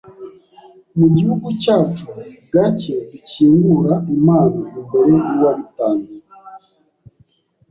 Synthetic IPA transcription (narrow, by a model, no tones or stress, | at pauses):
muɟihuɡut͡ʃatuɡaceviciŋɡuɾaimaːnimumbeɾeʔiwamutaːni